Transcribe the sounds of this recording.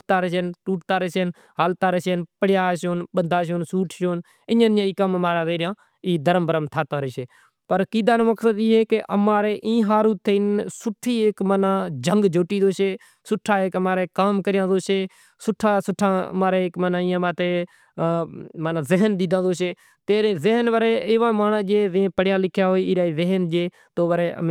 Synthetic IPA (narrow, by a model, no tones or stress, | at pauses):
pt̪aːɾeʃeːnʈuːʈt̪aːɾeːsen | ɦaːlt̪aːɾeːseːnpəɽjaːʃoːnɓənd̪ʱaːʃ̬oːnsuːʈʰʃoːn | ɪɲãːnjãːiːkəməmaːɾaːzeːɾɪjãː | iːd̪əɾəmbəɾəmt̪ʰaːt̪aːɾeːʃeː | pəɾkiːd̪ãːnoːməksəd̪iːɦeːkeʔə̰maːɾeːʔĩːɦaːɾuːt̪ʰːeɪnsʊʈʰːiːeːkmanãːd͡ʒəŋɡd͡ʒʱoːʈiːd̪oːʃeː | sʊʈʰːaːeːkəmaːɾeːkaːmkəɾɪjãːzoːʃeː | sʊʈʰːaːsʊʈʰːã̰ːmaːɾeːkmənãːĩːəmãːt̪eː | maːnãːzɪɦənɗ̪ɪd̪ãːd̪oːʃeː | t̪eːɾeːzɪɦənʋəɾeːeːʋãːmaːnad͡ʒeːzẽpəɽɪjãːlɪkʰjaːɦoːiːiːɾaːiːzeɦnd͡ʒeː | t̪oːʋəɾeːə̰m